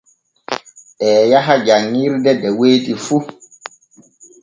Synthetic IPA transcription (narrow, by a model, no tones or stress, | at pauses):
ʔɛːjaɦad͡ʒaŋːiɾdɛdɛweːtifu